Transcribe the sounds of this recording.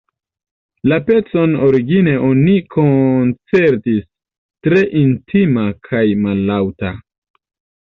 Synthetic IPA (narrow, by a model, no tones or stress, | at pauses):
lape̞t͡so̞no̞ɾiɡine̞ʔo̞nikʰont͡se̞ɾtis | tɾe̞ʔintʰimakʰajmalːawta